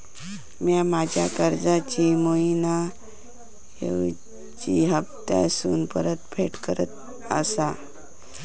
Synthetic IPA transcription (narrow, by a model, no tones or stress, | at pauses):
mjamad͡ʑʱjakəɾd͡zat͡ɕimoina | ḛʋ | t͡ɕiɦəpt̪a̰suːnpəɾət̪pʰeʈkəɾət̪̚ | əsa